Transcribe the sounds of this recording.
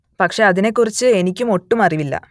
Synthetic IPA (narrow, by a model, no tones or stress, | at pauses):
pɐkʂe̞ɐðine̞kːurit͡ɕːɨenikʲːumo̞ʈːumɐriʋilːɐ̰